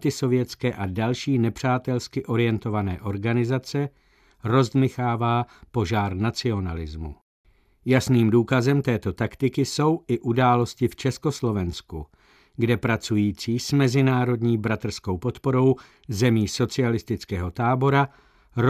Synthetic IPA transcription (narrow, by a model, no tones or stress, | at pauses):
t̪ɪso̞vjɛt͡skɛːʔadalʃiːnɛpr̝̥aːt̪ɛlskɪʔo̞ɾɪjɛnt̪o̞vanɛːʔo̞ɾɡanɪzat͡sɛ | ɾo̞zd̪mɪxaːvaːpo̞ʒaːɾnat͡sɪo̞nalɪzmṵ | jasniːmduːkazɛmt̪ɛːt̪o̞t̪akt̪ɪkɪso̞wʔɪʔudaːlo̞scɪft͡ʃɛsko̞slo̞vɛnsku | ɡdɛpɾat͡sujiːt͡siːsmɛzɪnaːɾo̞dɲiːbɾat̪r̩sko̞wpo̞t̪po̞ɾo̞w | zɛmiːso̞t͡sɪalɪst̪ɪt͡skɛːɦo̞t̪aːbo̞ɾa | ɾ